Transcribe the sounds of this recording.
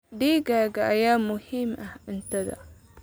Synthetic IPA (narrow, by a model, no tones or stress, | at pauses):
diːɡaːɡaʔajaːmʊhimʔaʔɪnt̪ad̪a̰